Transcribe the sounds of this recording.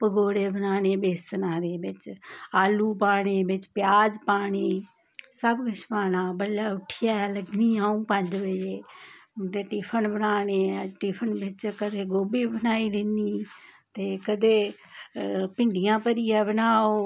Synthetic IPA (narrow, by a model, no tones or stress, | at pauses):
pəɡoːɽeːbənaːneːbeːsənaːd̪eːbɪt͡ʃaːluːpaːɳ̃eːbɪt͡ʃpjaːd͡ʒpaːɽeː | səbɡʱəʃmaːnãːbəlːaːʊʈʰjaːɛːləɡniːaːũːpə̃d͡ʒʋəeːdeːʈɪpʰənbənaːneːʈiːpʰənbɪt͡ʃkəd̪eːɡoːbeːbənaːiːd̪ɪniːt̪eːkəd̪eː | pɪɳɖijãːpəɾiːɛːbənaːoː